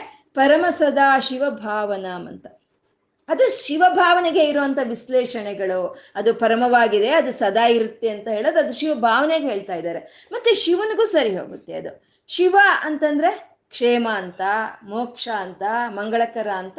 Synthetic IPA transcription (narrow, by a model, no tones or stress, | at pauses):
pɐɾɐmɐsɐd̪aːʃiʋɐbʱaːʋɐnaːmɐ̰nt̪ɐ̥ | ɐd̪uʃiʋɐbʱaːʋɐneɡe̞iɾuʋɐnt̪ʰɐʋislɛːʃɐnɛɡɐɭuɐd̪upɐɾɐmɐʋaːɡid̪e̞ɐd̪usɐd̪aːiɾut̪ːeɐnt̪ɐɦeːɭoːd̪ɐd̪uʃiʋɐbʱaːʋɐneɡeɦe̞ːɭt̪aːjd̪aːɾe | mɐt̪ːeʃiʋɐnɐɡuːsɐɾiɦo̰ːɡut̪ːeɐd̪u | ʃiʋɐɐnt̪ɐnd̪ɐɾe̞ | kʂɛːmɐːnt̪ɐmoːkʂaɐnt̪ɐmɐŋɡɐɭɐkɐɾaːnt̪ɐ